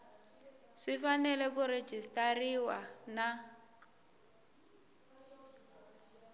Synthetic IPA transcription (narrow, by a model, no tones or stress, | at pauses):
ʂifanɛlɛk̬ure̥d͡ʒʱistʼariwana